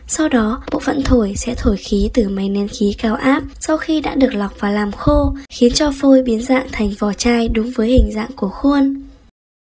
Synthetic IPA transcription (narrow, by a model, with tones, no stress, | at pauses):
sa˧wɗɔ˨˦ɓo̰˧˨fə̰˧˨nt̪ʰo˧˩jsɛ̰˧˥t̪ʰo˧˩jxi˨˦t̪ɨ˨˩ma˨˦jnɛ˨˧˦nxi˨˦kaː˨˦wʔaː˦˥p̚sa˧wxi˧ɗa̰ː˧˥ɗɨ˨˩ək̚la˨˩wk͡p̚vaː˨˩laː˨˩mxo˧xi˨˦ənt͡ɕɔ˧fo˧jɓi˨˦ənza̰ː˧˨ŋt̪ʰɛ˨˩jŋ̟vɔ˨˩t͡ɕaː˧jɗʊ˨˦ŋ͡mvəː˨˦jhï˨˩ŋ̟za̰ː˧˨ŋku˧˩əxu˧ən